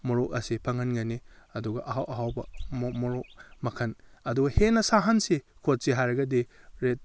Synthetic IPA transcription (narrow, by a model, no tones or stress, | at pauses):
mɔɾok̚ɐsipʰɐŋɐnɡɐniɐduɡɐʔɐɦawʔɐɦawbɐmmɔɾok̚mɐkʰɐnɐduɡɐhenɐsaɦɐnsikʰot̚siɦajɾɐɡɐdiɾet̚